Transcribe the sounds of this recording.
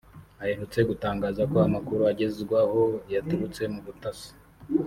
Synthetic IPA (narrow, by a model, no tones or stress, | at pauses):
ahenhut͡se̞ɡutaːŋɡaːzakoamakuɾuaɟe̞zɡwaho̞jatuβut͡se̞muβutasi̥